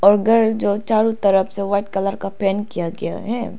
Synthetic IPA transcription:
ɔːɾɡɐɾd͡ʒoːt͡ʃaːɾũt̪ɐɾəfseʋaːɪʈ̚kɐləɾkapɛːnkijaɡɐja̰ɦɛː

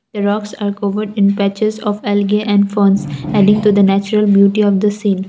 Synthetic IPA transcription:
d̪̥əɾɔːksaːɾkoːʋəɾɖɪ̃npɛt͡ʃɪzɔːʋɛlɡeʔɛ̃ɳɖfõːnsɛɖɪ̃ŋɡʈud̪ənæːt͡ʃɾəlbjuːʈiɔːʋd̪əsĩːn

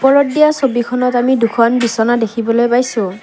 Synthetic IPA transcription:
pɔɹɔdːijasobikʰɔnɔtamidukʰɔnbisɔnadekʰibɔlojpajsʊ̃

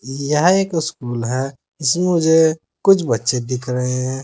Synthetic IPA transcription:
jɐɦeːkɪskuːlɦɛ̃ | ɪsmẽʊd͡ʒʱe | kʊt͡ʃʰbɐt̪ːʃed̪ɪkʰɾəɦẽɦɛ̃

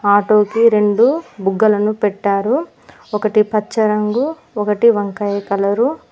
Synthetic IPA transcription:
aːʈo̞ːkiɾe̞ɳɖubuɡːɐlɐnupɛʈːaːɾu | ɔkɐʈipɐt͡ʃːɐɾɐŋɡu | ɔkɐʈiʋɐŋkɐjɐkɐlɐɾu

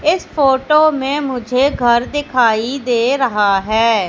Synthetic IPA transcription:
ɪspoːʈoːmẽmʊd͡ʒʱeːɡʱəɾd̪ɪkʰaːid̪eːɾɐɦaɦɛː

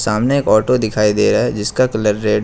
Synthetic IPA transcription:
saːmneeːkɔːʈod̪ɪkʰaːid̪eːɾaɦɛd͡ʒɪskakɐləɾːeːɖ

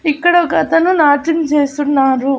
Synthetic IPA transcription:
ikːɐɽɐkɐt̪ɐnunaːʈint͡ʃeːsunːaːɾu

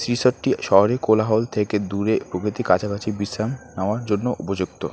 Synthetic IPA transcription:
sɾisoʈʈiʃɔɦoɾekolaɦolt̪ʰeked̪uɾepɾokɾit̪ikat͡ɕʰakat͡ɕʰibisɾamnaoaɾd͡ʑonːoʔupod͡ʑuk̚t̪o

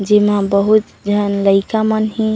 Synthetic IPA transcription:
d͡ʒimabəɦut̪d͡ʒʱənləɪkamənɦĩ

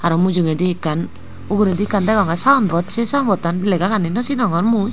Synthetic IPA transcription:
aɾɔmud͡ʒuŋed̪iːkːan | uɡuɾed̪ikand̪ɛɡɔŋɡasaɔnbɔt̚t͡ʃʰisanbɔt̪ːanlɛɡakanːinɔsinɔŋɡɔnmu

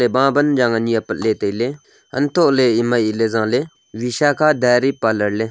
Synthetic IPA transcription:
ebãːbənd͡ʒãːŋəniəpət̪leːt̪əile | ə̰nt̪oleimailezãːle | ʋiʃaːkʰaːd̪ɛːɾiːpaləɽle

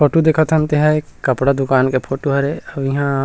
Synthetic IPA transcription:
pʰoːʈud̪eːkʰət̪ɦɐnt̪eɦɛjkɐpɽad̪ʊkaːnkepʰoːʈuɦɐɾeɐbiɦã

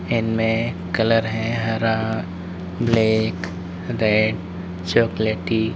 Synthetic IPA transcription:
ɪnmẽ | kɐləɾɦɛ̃ɦɐɾa | bleːk | ɾeɖ | t͡ʃoːkleʈi

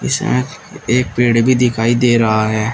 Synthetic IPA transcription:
ɪ̰smḛ̃ː | eːk̚peːɽbʱiːd̪ɪkʰaːiːd̪eːɾəɦaɦɛː

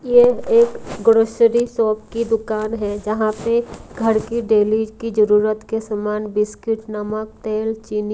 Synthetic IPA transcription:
jeeːkɡɾoʃəɾisɔːp̚kid̪ʊkaːnɦɛd͡ʒəɦãpeɡʱɐɾkiɖeːlid͡ʒkid͡ʒəɾuːɾət̪kesamaːnbɪskɪʈnɐmək̚t̪eːlt͡ʃiːn

